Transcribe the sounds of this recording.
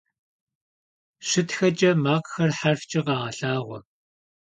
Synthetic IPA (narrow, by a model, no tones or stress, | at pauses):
ɕɪtxɐt͡ʃʼɐmaːqxɐrħarft͡ʃʼɪqɑːʁɐɬaːʁʷɔ